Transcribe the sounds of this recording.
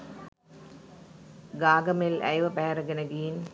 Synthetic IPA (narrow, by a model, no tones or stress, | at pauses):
ɡaːɡɐmelɐ̰jʋɐpeːɾɐɡɐnɐɡiːn